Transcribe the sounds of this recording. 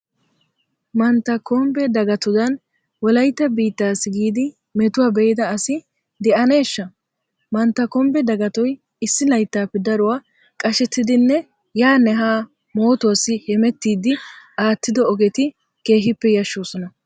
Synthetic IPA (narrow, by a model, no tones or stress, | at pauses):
mɐnt̪ːɐkɔmbɛd̪ɐɡɐt̪ʊd̪ɐn | wɔlɐjt̪ːɐbiːt̪ːaːsːɪɡiːd̪ɪ | mɛt̪ʊwaːbɛjɪd̪ɐːsɪ | d̪ɛʔɐne̞ːʃːɐ | mɐnt̪ːɐkɔmbɛd̪ɐɡɐt̪ɔj | ɪsːɪlɐjt̪ːaːpːɛd̪ɐɾʊwaː | kʼɐʃɛt̪ːɪd̪ɪnːɛ | jaːnɛɦaː | mo̞ːt̪ɔwasːɪhɛmɛt̪ːiːd̪ɪaːt̪ːɪd̪ɔɔɡɛt̪ɪ | ke̞ːɦɪpːɛjɐʃːoːsɔnɐ